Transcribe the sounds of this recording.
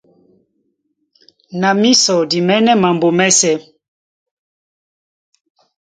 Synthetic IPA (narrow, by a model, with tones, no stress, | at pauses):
na˨mi˦sɔ˨di˨mɛ˦nɛ˦ma˨mbo˨mɛ˦sɛ˦